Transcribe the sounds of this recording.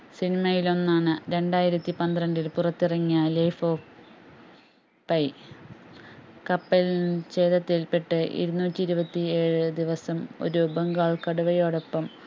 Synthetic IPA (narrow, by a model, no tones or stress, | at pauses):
sinimɐjilo̞nːaːɳɨɾe̞ɳɖaːjiɾɐt̪ːipɐnd̪ɾɐɳɖilpurɐt̪ːirɐŋːijɐlɐjfoːf | pːɐj | kɐpːelnt͡ɕe̞ːðɐt̪ːilpeʈːɨʔḭɾunːuːtʲːiɾubɐt̪ːie̞ːɻɨd̪iʋɐsɐmo̞̰ɾubeŋɡaːɭkɐɽuʋɐjo̞ːɽo̞pːɐm